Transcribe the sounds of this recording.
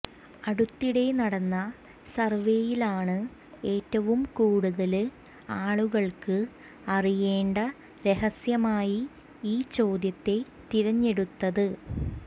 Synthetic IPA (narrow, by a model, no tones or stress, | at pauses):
ɐɽut̪ːiɽe̞nɐɽɐnːɐ | sɐrʋe̞ːjilaːɳɨ | e̞ːtːɐʋumkuːɽuðɐl | aːɭuɣɐɭkɨ | ɐrije̞ːɳɖɐ | ɾe̞ɦɐsjɐmaːji | iːt͡ɕo̞ːd̪jɐt̪ːe̞ | t̪iɾɐɲːe̞ɽut̪ːɐðɨ